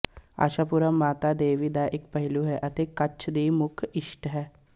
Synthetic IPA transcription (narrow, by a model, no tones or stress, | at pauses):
a̰ːʃaːpuɾamaːt̪aːd̪eːʋiːd̪aʔɪkpəɦɪluɦɛʔət̪eːkət͡ʃʰd̪iːmʊkʰɪʃʈɦɛː